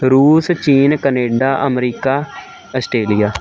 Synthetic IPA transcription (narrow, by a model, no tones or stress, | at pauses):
ɾuːst͡ʃiːnkəneːɖaːʔəmɾiːkaː | əsʈɾeːlijaː